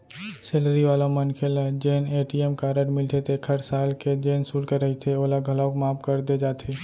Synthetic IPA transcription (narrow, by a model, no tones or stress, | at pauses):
selɾiʋaːlõmənkʰelad͡ʒeːneːʈiɛmkaːɾəʈmɪlʈ̪ʰet̪ʰekʰəɾsaːlked͡ʒeːnsuːlkeɾəɦit̪ʰeoːlaɡʱəlawkmaːpkəɾd̪ed͡ʒaːt̪ʰeː